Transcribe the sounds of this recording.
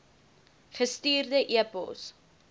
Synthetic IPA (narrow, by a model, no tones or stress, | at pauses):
χəstiːrdəʔiəpə̰lˠs